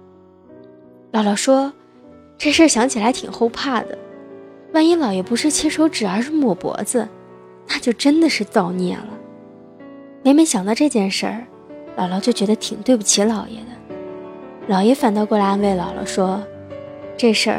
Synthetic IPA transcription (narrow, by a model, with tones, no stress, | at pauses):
lɑ˨˧˥lɑ˨˩ʊʂwɔ˥ | ʈ͡ʂɤ˥˧ʂə˞˥˩ɕjɑ˧˥ŋt͡ɕʰi˨˩la˧˥ɪt̪ʰḭ˨˩ŋxo˥˧ʊpʰa˥˩d̪ə̰˩wa˥˩ni˧˥lɑ˨˩ʊjɛ˨˩pu˧˥ʂɻ̩˥˩t͡ɕʰɛ˥ʂo˧˥ʊʈ͡ʂɻ̩˨˩ə˞˧˥ʂɻ̩˥˩mwɔ˨˩pwɔ̰˧˥d͡zə˧ | na˥˧t͡ɕjo˥˩ʊʈ͡ʂə˥nd̪ə˨ʂɻ̩˥˧t͡sɑ˥˧ʊnjɛ̰˥˩lə˩ | me˧˥ɪm˧˥ɪɕjɑ˨˩ŋt̪ɑ˥˧ʊʈ͡ʂɤ˥˧t͡ɕjɛ˥˧nʂə̰˞˥˩ | lɑ˨˩ʊlɑ˨˩ʊt͡ɕjo˥˩ʊt͡ɕɥɛ˧˥d̪ə˧t̪ʰi˨˩ŋt̪we˥˩ɪpu˥˩t͡ɕʰi˧˥lɑ˨˩ʊjɛ̰˧˥d̪ə˧ | lɑ˨˩ʊjɛ˧˥fa˨˩nt̪ɑ˥˧ʊkwɔ˥˩la˥nwe˥˩ɪlɑ˨˩ʊlɑ̰˧˩˥ʊʂwɔ˥ | ʈ͡ʂɤ˥˧ʂə̰˞˥˩